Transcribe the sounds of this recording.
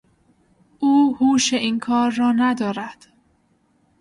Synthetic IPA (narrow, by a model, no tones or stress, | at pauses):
ʔuːhuːʃeʔiːnkʰɒːɾːɒːnæd̪ɒːɾæd̪̥